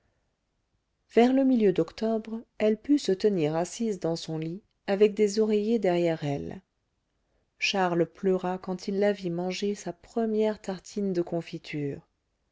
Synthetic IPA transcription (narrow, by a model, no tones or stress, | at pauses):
v̥ɛʁləmiljød̪ɔkt̪ɔbʁɛlpysət̪əniʁasizd̪ɑ̃sɔ̃li | avɛk̚d̪ezɔʁejed̪ɛʁjɛʁɛl | ʃaʁlplœʁakɑ̃t̪ʰilːavimɑ̃ʒesapχəmjɛʁt̪aʁt̪ʰind̪əkʰɔ̃fit̪ʰyːʁ